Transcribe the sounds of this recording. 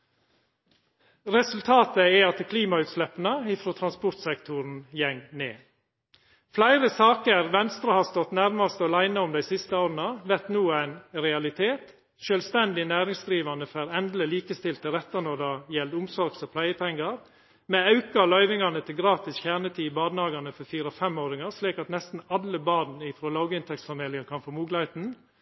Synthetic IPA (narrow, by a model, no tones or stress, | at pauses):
ɾɛsʉlt̪ʰɑːt̪əɛɑt̪əkʰliːmɑʉːt̪slɛpːənəɪfɾoːt̪ʰɾɑnspʊɾt̪sɛkt̪ʰʊɾn̩jɛŋnḛː | flæɪɾəsɑːkəɾʋɛnst̪ɾɑhɑːst̪ɔt̪næɾmɑst̪ɑlæɪnəɔmd̪æɪsɪst̪əoːɾn̩ɑʋɛɾt̪nuːæɪnɾɛɑlɪt̪ʰeːt̪ | ʃœːlst̪ɛnd̪ɪnæːɾɪŋsd̪ɾiːʋɑnəfæːɾɛnd̪l̩əliːkəst̪ɪlt̪ʰəɾɛt̪ːənɔd̪ɑːjɛld̪ʊmsɔɾɡsɔpʰlæɪəp̪ʰɛŋɡɑɾ | meːɑʉkɑlœʏʋɪŋɑnət̪ʰɪlɡɾɑːt̪ɪsçæːnət̪ʰiːbɑːd̪nɑːɡɑnəfɔɾfiːɾɔfɛmːoːɾɪŋɑsliːkɑt̪nɛst̪n̩ɑləbɑːd̪n̩ɪfɾoːlɑʊɡəɪnt̪ʰɛksfɑmeːlɪŋənkʰɑnfoːmuːɡlɑɪt̪n̩